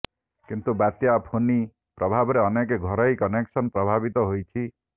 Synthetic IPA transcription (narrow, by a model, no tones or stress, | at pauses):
kint̪ubat̪japʰoni | pɾɔbʱabɔɾeɔnek̬eɡʱɔɾɔjkɔneksɔnpɾɔbʱabit̪ɔɦojt͡ʃʰi